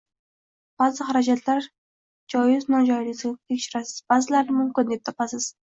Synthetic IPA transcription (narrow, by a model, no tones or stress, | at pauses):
b̥azɪχaɾad͡ʒat̪ʰlaɾ | d͡ʒɒjɪznɒd͡ʒɒjlɪɡʲzɪɡʲat̪ʰekʲʃɪɾasɪz̥baːzɪlaɾnɪmʊmkʲɪnd̪ep̚t̪ʰɒpasɪz̥